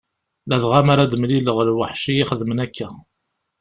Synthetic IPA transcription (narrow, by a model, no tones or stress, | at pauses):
læðʁamaɾad̪əmliləʁlwəħʃiiχəðəmənækːæ